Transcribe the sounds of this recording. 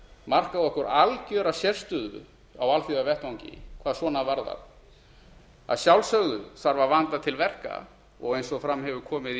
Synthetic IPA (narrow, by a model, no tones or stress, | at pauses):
mar̥kaðɔhkɔɾalcœːɾasjɛr̥st̪ʏðʏ̰ | awalθiɣavɛht̪awɲcɪ̰kʰvaːðswɔːnaðvaɾða̰ | a̰ðsjawlsœɣðʏθaɾvavant̪at̪ʰɪlvɛr̥ka̰ | ɔ̰ɣejnsɔfɾamːhɛvʏkʰɔːmɪð